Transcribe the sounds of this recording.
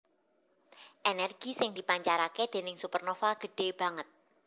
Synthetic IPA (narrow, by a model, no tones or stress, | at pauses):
ʔenɛrɡ̥i̤sɪŋd̪i̤paɲt͡ʃaɾaked̪̥e̤nɪŋsupərnofalɡ̥ə̤ɖ̥e̤b̥ä̤ŋət̪̚